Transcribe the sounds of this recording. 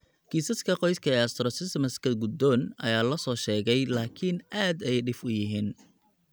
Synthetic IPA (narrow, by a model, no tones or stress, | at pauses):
kʰiːsɐskʰɐqɔjskʰɐɛːɐst̪ɾɔsɪsmɐskɐɡʊd̪ɔːnɐ̰jaːlɐsɔːʃɛːɣɛjlaːkʰɪnʔaːd̪ɛjɖɪfʊjɪɦiːn